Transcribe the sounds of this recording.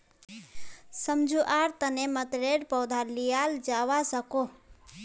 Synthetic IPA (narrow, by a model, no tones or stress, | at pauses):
səmd͡ʒʱuʔaɾt̪ənemət̪ɾeɽpəwd̪ʱalijald͡ʒaʋasəko